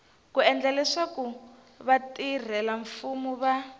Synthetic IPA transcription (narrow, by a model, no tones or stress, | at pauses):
kuɛnd͡ɮalɛʂaku | βatir̤ɛlaɱfumuβa